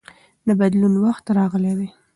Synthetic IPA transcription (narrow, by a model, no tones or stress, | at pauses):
ləbad̪lunwaxt̪ɾɑɣəlewe